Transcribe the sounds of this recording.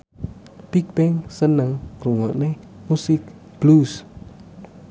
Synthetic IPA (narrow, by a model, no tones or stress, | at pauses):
pik̚pɛŋsənəŋɾuŋɔʔne | musik̚ | b̥lus